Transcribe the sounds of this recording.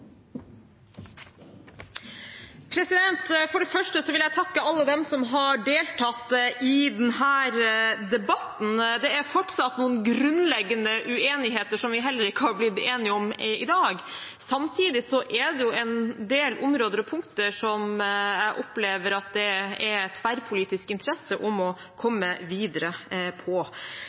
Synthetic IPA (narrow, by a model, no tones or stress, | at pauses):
pʰɾɛsɪd̪ɛnt̪fɔɖɛfœʂʈəsɔʋɪljæɪt̪ʰɑkːəɑlːəd̪ɛmsɔmɦɑɖeːlt̪ʰɑt̪ʔɪd̪ɛnhæːɾd̪ɛbɑt̪n̩d̪ɛæɾfɔʈsɑt̪nuːənɡɾʉnlɛɡːənəʔʉeːnɪɦeːt̪əʂɔmʋɪɦɛlːəɾɪkːəhɑɾblɪd̪eːnɪɔmɪd̪ɑːɡ | sɑmt̪ʰiːd̪ɪsɔʔɛd̪ɛjʊɛnd̪eːlʔʊmɾoːd̪əɾɔpʰʊŋkt̪əʂɔmæɪʔɔpleːʋəɾɑt̪̚d̪ɛɛɾɛt̪ʰːʋæɾpʰʊliːt̪ɪskɪnt̪ʰəɾɛsəʔɔmɔ | kʰɔmːəʋiːd̪əɾəpʰɔ